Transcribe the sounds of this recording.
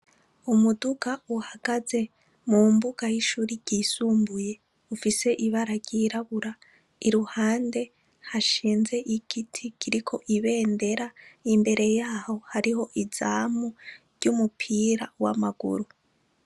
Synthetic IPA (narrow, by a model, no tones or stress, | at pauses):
umuduɡauhaɡ̥aze̞ | muːmbuɡ̥ajiʃuɾiɟ̥isuːmbuje̞ | ufise̞ʔiβaɾaɡjiɾaβuɾa | iɾuhaːnde̞ | haʃiːnze̞ʔiɡ̥itʰikiɾikʰo̞ʔiβe̞ːnde̞ɾaimbe̞ɾʔe̞jaːho̞haɾiho̞ʔiz̥aːmuɾɟumupʰiːɾawa̰maɡṵɾu